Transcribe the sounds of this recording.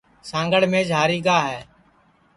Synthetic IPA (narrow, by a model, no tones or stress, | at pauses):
sãːŋɡəɭmẽːd͡ʒʱaːɾiːɡaːɦɛː